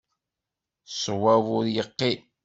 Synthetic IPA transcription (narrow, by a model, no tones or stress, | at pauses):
sˤwævʊɾjəqːi